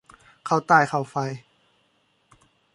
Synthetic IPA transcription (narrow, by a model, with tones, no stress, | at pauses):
kʰa˧˩wt̪aː˧˩jkʰa˧˨˩wfa˧j